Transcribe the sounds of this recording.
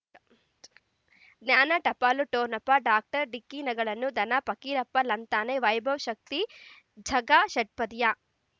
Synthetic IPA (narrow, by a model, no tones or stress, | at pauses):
ɡnaːnɐʈɐpaːluʈoːnɐpːɐɖaːk̚ʈɐɾɖikːiːnɐɡɐɭɐnːud̪ɐnɐpɐkiːɾɐpːɐlɐnt̪aːneʋɐjbʱɐʋʃɐk̚t̪i | d͡ʒʱɐɡaʃɐʈ̚pɐd̪ja